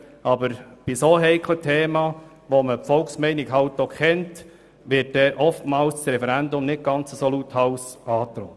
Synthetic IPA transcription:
ʔɑbəɾb̥isoːɦɛɪkʰlətʰeːmɑː | ʋoməpfɔlksmɛɪniɡɦɑwtːokʰχɛnt | ʋɪt̚d̥ɛːʔɔftmɑːlssɾɛfɛɾændʊmnɪt̚ɡ̥ɑnt͡səsoluthɑʊsɑːt̪ɾɔːt

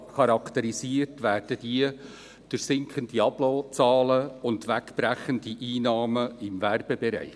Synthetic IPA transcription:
χɑɾɑkʰt̪əɾisiərtʋæːrd̥əd̥iə | d̥ʊɾsɪŋkχəndiɑb̥lɔːt͡sɑːləʊndʋækb̥ɾæχəndiʔiːnɑːməɪmværb̥ɛbɛɾɛ̰ɪ

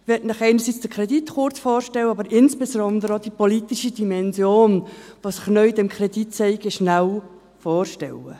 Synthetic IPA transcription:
ʋɛtnɪχɛɪnəɾsit͡sd̥əkʰɾɛdit̪χʊrt͡sfoːrʃtɛlwəɑbəɾɪnsb̥esɾɔnd̪əɾəod̥ipolit̪iʃidimɛnzjoːnʋosəχnœʏdɛmkʰɾɛditt͡sɛɪɡɪʃnæw | foːrʃtɛ̰lə

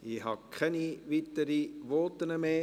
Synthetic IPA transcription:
iɦɑkʰɛniʋit̪əɾiʋɔːt̪ənəmeː

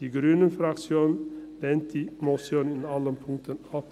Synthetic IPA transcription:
iɡɾyːnənfɾɑksjuːnn̩d̪ɛnt̪ʰɪmɔsunɪnɑlənpʰʊŋt̪ənɑ

